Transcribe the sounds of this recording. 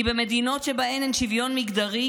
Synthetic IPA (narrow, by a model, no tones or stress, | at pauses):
ibemed̪ino̞tʃebaemenʃivjo̞nmiɡd̪aʁi